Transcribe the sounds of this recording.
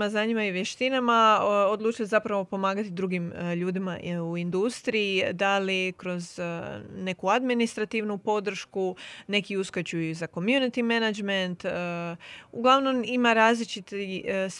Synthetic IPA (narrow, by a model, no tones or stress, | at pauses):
maznaːɲimaiʋjeʃt̪inamaod̪lˠuːt͡ʃilzapɾaʋo̞po̞maːɡat̪id̪ɾuɡimʎuːd̪imauind̪ust̪ɾiid̪alikɾo̞zne̞kuad̪minist̪ɾat̪iʋnupo̞d̪ɾ̩ʃkune̞kiuskat͡ɕujuzako̞mjunit̪ime̞nad͡ʒment̪ | uɡlˠaʋno̞mimaɾaːzlit͡ʃit̪is